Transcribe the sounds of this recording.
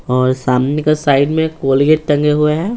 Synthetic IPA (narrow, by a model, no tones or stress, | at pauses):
ɔːɾsaːmnekasaːɪɖmẽkoːlɡeːʈ̚ʈ̪ɐ̃ŋɡeɦueɦɛɛː